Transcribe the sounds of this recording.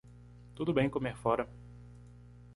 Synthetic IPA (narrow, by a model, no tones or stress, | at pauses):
t̪ud̪ʊbẽj̃komeɾfɔɾɐ